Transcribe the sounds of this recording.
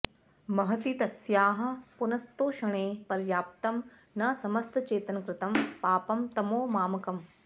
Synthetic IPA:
mɐɦɐt̪iːt̪ɐsjaːɦɐ̆pʊnɐst̪oːʃɐɽ̃eːpɐɾjaːp̚t̪ɐm | nɐsɐmɐst̪t͡ɕeːt̪ɐnkɾɪt̪ɐmpaːpɐmt̪ɐmoːmaːmɐkɐm

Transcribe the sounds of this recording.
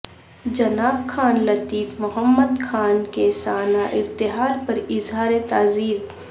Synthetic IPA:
d͡ʒɐnaːbkʰaːnlɐt̪iːfmʊɦəmːəd̪kʰaːnkesaːnaʔɪɾt̪ɪɦaːɾpɐɾɪzɦaːɾet̪aːziːɾ

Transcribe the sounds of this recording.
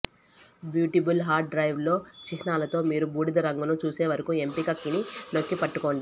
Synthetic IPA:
bjuːʈibulɦaːɾʈ̚ɖɾɐjʋlo̞ːt͡ʃiʃnaːlɐt̪o̞ːmiːɾubuːɽid̪ɐɾɐŋɡunut͡ʃuːse̞ːʋɐɾɐkue̞mpikɐkːinino̞kːipɐʈːuko̞ːɳɖi

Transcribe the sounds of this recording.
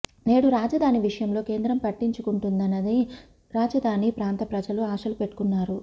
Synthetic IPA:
ne̞ːɽuɾaːd͡ʒɐd̪ʱaːniʋiʂɐjɐmlo̞ːke̞ːnd̪ɾɐmpɐʈːiɲt͡ʃukuɳʈund̪ɐnːɐd̪i | ɾaːd͡ʒɐd̪ʱaːnipɾaːnt̪ɐpɾɐd͡ʒɐluaːʃɐlupe̞ʈːu̥kunːaːɾu

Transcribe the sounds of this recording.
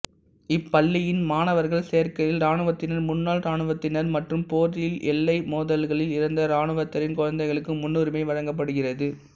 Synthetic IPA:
ɪpːɐɭːɪjɪnmaːnɐʋɐɾɣɐɭsejɐɾkɐjɪlɾaːnɯʋɐt̪ːɪnɐɾmʊnːaːɭɾaːɳɯʋɐt̪ːɪnɐɾmɐʈrɯmpoːɾɪlʔɛ̰lːɐɪmoːðɐlɣɐɭɪlɪɾɯnd̪ɐɾaːnɯʋɐt̪ːɐɾɪnkʊɻɐnd̪ɐɪɣɐɭɯkːɯmːʊnːʊɾɪmɐɪʋɐɻɐŋɡɐp̬ːɐɽɯɣɪrɐðɯ

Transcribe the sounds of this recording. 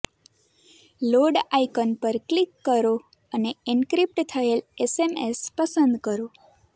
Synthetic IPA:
loɖajkənpəɾklikːəɾo | əneiɳkɾip̚ʈt̪ʰəelesemespəsənd̪kəɾo

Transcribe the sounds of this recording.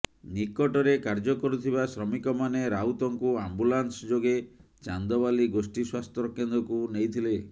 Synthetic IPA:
nikɔʈɔɾekaɾd͡ʒɔkɔɾut̪ʰiβasɾɔmikɔmaneɾaut̪ɔŋkuambulansd͡ʒoɡe | t͡ʃand̪ɔbaliɡosʈiswast̪ʰɔɾɔkːend̪ɔkunejt̪ʰile

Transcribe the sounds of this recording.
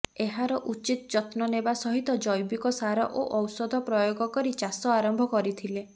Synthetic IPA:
eɦaɾɔʔut͡ʃit̪ɔd͡ʒɔt̪nɔnebasɔɦit̪ɔd͡ʒɔjbikɔsaɾɔ̰ʔoʔɔwsɔd̪ʱɔpɾɔjoɡɔkɔɾit͡ʃasɔaɾɔmbʱɔkɔɾit̪ʰile

